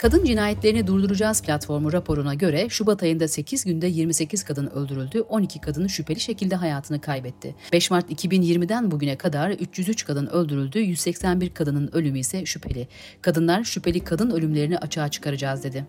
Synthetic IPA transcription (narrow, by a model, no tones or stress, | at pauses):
kʰad̪ɯnd͡ʒinaːjɛt̪lʲe̞ɾinid̪uɾd̪uɾud͡ʒaːzpʰlʲat̪fo̞ɾmuɾapʰo̞ɾunaɟø̞ɾɛʃubat̪ʰajɯnd̪ase̞cʰizɟynd̪ɛjiɾmise̞cʰiz̥kʰad̪ɯnø̞̰lʲd̪yɾylʲd̪yʔo̞nicʰikʰad̪ɯnʃypʰelʲiʃe̞cilʲd̪ɛɦajaːt̪ʰɯnɯkʰajbɛt̪ʰːɪ̰b̥ɛʃmaɾt̪icʰibinjiɾmid̪ænbuɟynɛkʰad̪aɾyt͡ʃʰjyzyt͡ʃkʰad̪ɯnø̞lʲd̪yɾylʲd̪yjyzsɛcsænbiɾkʰad̪ɯnɯnø̞lʲymyisɛʃypʰe̞lʲɪ | kʰad̪ɯnlˠaɾʃypʰelʲikʰad̪ɯnø̞lʲymlʲe̞ɾiniʔat͡ʃʰaːt͡ʃʰɯ̥kʰaɾad͡ʒaːzd̪e̞d̪ɪ